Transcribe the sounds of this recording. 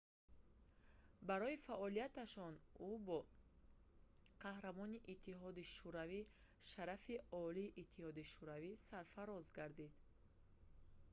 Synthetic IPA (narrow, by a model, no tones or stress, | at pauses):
baɾɔifaʔɔlijat̪aʃɔnubɔ | qʰahɾamɔniʔit̪ʰːiɦɔd̪iʃuɾavi | ʃaɾafiɔliːʔːt̪ʰːihɔd̪iʃuɾavisaɾfaɾɔzɡaɾd̪id̪